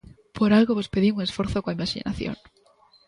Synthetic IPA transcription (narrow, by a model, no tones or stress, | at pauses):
pʰoɾalɣoβospeðiuŋesfoɾθokoaimaʃḭnʔa̰θjo̰ŋ